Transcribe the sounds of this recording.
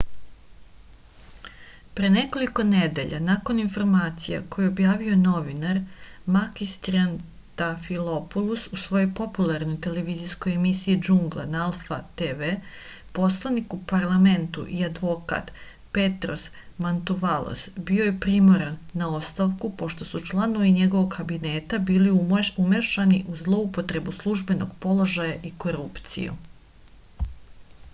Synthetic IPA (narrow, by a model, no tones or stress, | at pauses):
pɾene̞ko̞liko̞ned̪e̞ʎa̰nako̞ninfo̞ɾmaːt̪sija̰ko̞jeo̞bjaːʋiono̞ʋinaɾmakist̪ian | t̪afilˠopulˠususʋo̞jojpo̞pulˠaɾnojt̪e̞le̞ʋiːzisko̞jemisiid͡ʒuŋɡlˠa̰naalˠfat̪eʋepo̞slˠanikupaɾlˠame̞nt̪ṵʔiad̪ʋo̞ka̰t̪ | pe̞t̪ɾos | mant̪uʋalˠo̰sbiojepɾimoɾanːao̞st̪aʋkupo̞ʃt̪o̞sut͡ʃlˠano̞ʋiɲe̞ɡo̞ʋoɡkabine̞t̪abiːliuumeʃaniʔuzlˠo̞upo̞t̪ɾe̞buslˠuʒbe̞no̞̰ɡpo̞lˠo̞ʒajaʔiko̞ɾupt̪sḭjṵ